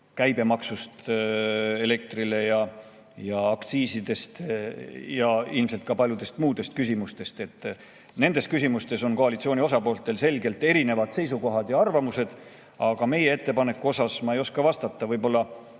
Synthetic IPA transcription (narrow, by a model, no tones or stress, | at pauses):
kæjbe̞mɑksust̪ | ele̞k̚t̪rile̞jɑ | jɑːkt̪siːsid̪e̞st̪ | jɑilmselt̪̚kɑpɑlʲjud̪̥e̞st̪muːd̪e̞st̪̚kysimust̪e̞st̪e̞t̪ːˑ | ne̞nd̪̥e̞st̪̚kysimust̪e̞so̞nko̞ɑlit̪sio̞ːnio̞sɑpo̞ːlt̪ːˑe̞lse̞lʲɡe̞lt̪ːˑe̞ɾine̞vɑd̪̥se̞js̬uko̞ɦɑd̪̥jɑɑrvɑmuse̞d̪̥ | ɑɡ̥ɑme̞jee̞t̪ːe̞pɑne̞kːˑuo̞sɑsmɑejo̞skɑvɑst̪ɑt̪ːˑɑvɤjbo̞lːɑ